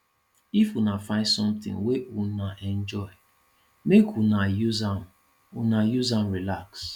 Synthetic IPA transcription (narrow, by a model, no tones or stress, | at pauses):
ifunafãɪdsɔ̃mt̪ɪ̰̃ŋweunaʔɛ̃nd͡ʒɔɪ | mekʰunajuzãm | unajuzãmɹilaks